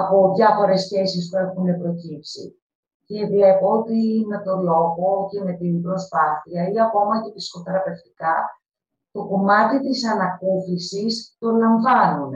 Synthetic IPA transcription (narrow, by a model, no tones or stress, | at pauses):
ɐpo̞ðʝɐfo̞ɾe̞sçe̞sispue̞xune̞pɾo̞cipsḭ | ce̞vle̞po̞ot̪ime̞t̪o̞lo̞ɣoce̞me̞t̪inbɾo̞spɐθiɐiɐko̞mɐce̞p̪iskot̪e̞ɾɐpe̞ft̪i̥kɐ | t̪o̞ko̞mɐt̪it̪isɐnɐkuθisist̪o̞lɐɱvɐnun